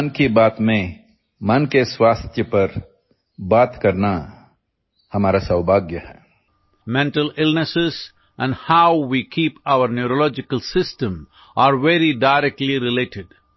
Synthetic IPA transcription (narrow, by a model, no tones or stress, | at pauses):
nkibaːt̪mẽ | mɐnkeswaːst̪ʰjəpɐɾ | baːt̪kɐɾna | hɐmaːɾasaʊbʱaːɡjəhɛː | mɛ̃ɳʈəlɪlnəsɪz | ʔɛ̃nɖhaʊʋiːkʰiːpawəɾnjuɾolɔːd͡ʒɪkəlsɪsʈə̃m | aːɾʋeɾiɖaɪɾɛk̚ʈliɾɪleːʈɪɖ